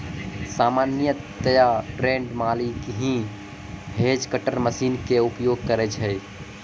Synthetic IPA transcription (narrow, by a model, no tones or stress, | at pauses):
saːmanjə | t̪əjaʈɾẽɳɖmalikɦĩ | ɦed͡ʒkəʈəɾməsiːnkeupjoɡ̚kəɾɛt͡ʃʰɦɛj